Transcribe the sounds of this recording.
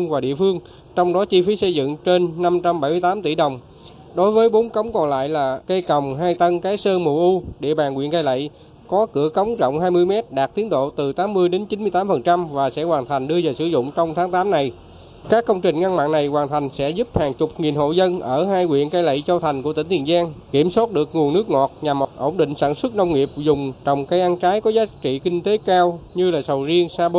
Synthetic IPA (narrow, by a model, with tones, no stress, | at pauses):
ŋvaː˨˩ɗḭ˧˨əfɨ˧əŋ | t͡ɕɔ˧wŋ͡mɗɔ˨˦t͡ɕi˧fi˨˦sə˧jzɨ̰˧˨ŋt͡ɕe˧nːa˧mt͡ɕa˧mɓa˧˩jmɨ˧jt̪aː˨˦mt̪i˧˩ɗə˨˩wŋ͡m | ɗo˨˦jvəː˨˦jɓo˨˦nkə˨˦wŋ͡mkɔ˨˩nla̰ː˧˨jlaː˨˩kə˧jkə˨˩wŋ͡mɦaː˧jt̪ə˧ŋkaː˨˦jsəː˧mo˨˩ʔu˧ɗḛ˧˨ɓaː˨˩nkwḭ˧˨ənkaː˧jlə̰˧˨j | kɔ˨˦kɨ˧˩əkə˨˦wŋ͡mzɔ̰˧˨wŋ͡mɦaː˧jmɨ˧əjmɛ˦˥t̚ɗaː˨˩k̚t̪i˨˦əŋɗo̰˧˨t̪ɨ˨˩t̪aː˨˦mːɨ˧əjɗe˨˦nt͡ɕi˨˦nmɨ˧jt̪aː˨˦mfə˨˩nt͡ɕa˧mvaː˨˩sɛ̰˧˥waː˨˩nt̪ʰa˨˩ŋ̟ɗɨ˧əzəː˨˩sɨ˧˩zʊ̰˧˨ŋ͡mt͡ɕɔ˧wŋ͡mt̪ʰaː˨˦ŋt̪aː˨˦mna˨˩j | kaː˦˥kːə˧wŋ͡mt͡ɕï˨˩ŋ̟ŋa˧ŋma̰ː˧˨na˨˩jkwaː˨˩nt̪ʰa˨˩jŋ̟sɛ̰˧˥zu˦˥p̚haː˨˩ŋt͡ɕʊ˨˩k͡p̚ŋi˨˩nɦo̰˧˨zə˧nʔəː˧˩ɦaː˧jŋwḭ˧˨ənkaː˧jlə̰˧˨jt͡ɕɔ˧t̪ʰa˨˩jŋ̟ku˧˩ət̪ï˧˩ŋ̟t̪ʰi˨˩ənzaː˧ŋki˧˩əmso˦˥t̚ɗɨ˨˩ək̚ŋu˨˩ənɨ˦˥k̚ŋɔ˨˩t̚ɲa˨˩m˨˩t̚ʔo̰˧˩wŋ͡mɗḭ˧˨ŋ̟saː˧˩˨nswə˦˥t̚na˧wŋ͡mŋi˨˩əp̚zʊ˨˩ŋ͡mt͡ɕɔ˨˩wŋ͡mka˧jʔaː˧nt͡ɕaː˨˦jkɔ˨˦zaː˨˦t͡ɕḭ˧˨kï˧ŋ̟t̪e˨˦kaː˧wɲɨ˧laː˨˩sə˨˩wzi˧əŋsaː˧ɓo˧